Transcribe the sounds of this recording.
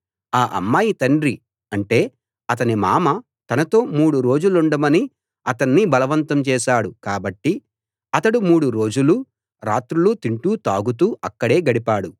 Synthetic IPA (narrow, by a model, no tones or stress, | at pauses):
aːʔɐ̰mːaːjit̪ɐɳɖɾi | ɐɳʈe̞ː | ɐt̪ɐnimaːmɐ | t̪ɐnɐt̪o̞ːmuːɽuɾo̞ːd͡ʒuluɳɖɐmɐni | ɐt̪ɐnːibɐlɐʋɐnt̪ɐmt͡ʃɛːʃaːɽukaːbɐʈːi | ɐt̪ɐɽumuːɽuɾo̞ːd͡ʒulu | ɾaːt̪ɾulut̪iɳʈuːt̪aːɡut̪uːʔɐkːɐɽe̞ːɡɐɽipaːɽu